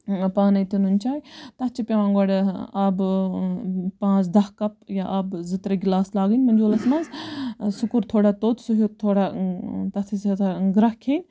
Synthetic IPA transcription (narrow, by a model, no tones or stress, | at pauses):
paːnɐjt̪inunʲt͡ʃaːjt̪ɐt͡ʃʰipʲɐʋãːŋɡɐɽeaːb | pãːzd̪ɐkɐp̚jaʔabzɨt̪ɾɐɡʲilaːslaːɡənʲmɐnd͡ʒoːlɐsmɐnzsukuɾt̪ʰoːɽaːt̪oːt̪ʰsuɦut̪ʰoːɽat̪ɐt̪ʰisɐt̪ɡɾɐkʰeːnʲ